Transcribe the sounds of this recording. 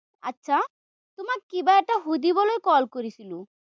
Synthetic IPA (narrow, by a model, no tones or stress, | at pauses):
a̰tːɕʰa | t̪omakkibaɛk̚ʈaɦud̪ibɔlojkɔlkoɾisʰilo